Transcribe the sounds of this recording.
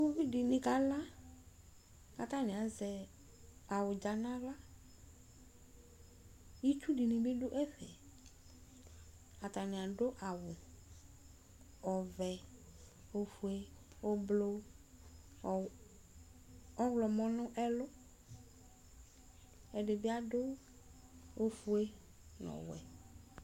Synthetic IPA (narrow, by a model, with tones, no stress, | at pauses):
o˦vi˦dɪ˨nɪ̃˨ka˨˦la˦ | a˨ta˦nɪ̃˨a˨zɛ˨ | a˨wʊ˨d͡ʒa˨nã˦la˦ | i˦t͡ʃu˦di˨nɪ̃˨bɪ˦dʊ˦ʔɛ˦ɸɛ˨ | a˨ta˨nɪ̃˨a˨dʊ˦ʔa˨wʊ˨ | ɔ˨vɛ˨ | o˨fu˨e˦ | o˦blo˦˨ | ɔ˦wlɔ˨mɔ̃˦nʊ̃˦ʔɛ˦lʊ˦ | ɛ˨dɪ˨bɪ˦a˦dʊ˦ | o˦fu˨e˦ | nɔ̰̃˨wɛ̰˨